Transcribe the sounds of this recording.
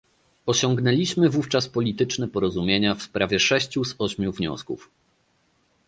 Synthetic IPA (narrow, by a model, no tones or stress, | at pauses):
ɔɕɔŋɡnɛlʲiɕmɘvuft͡ʂaspɔlʲit̪ɘt͡ʂnɛpɔɾɔzumʲjeɲafspɾavʲjɛʂɛɕt͡ɕuzɔɕmʲjuvɲɔ̰skṵf